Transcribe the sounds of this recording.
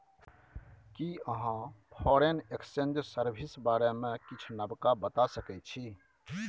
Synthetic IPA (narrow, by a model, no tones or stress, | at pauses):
kiəɦãpʰɔɾeneksend͡ʒsəɾbʱisbaɾemẽkit͡ʃʰnəbkabət̪asəkɛt͡ʃʰi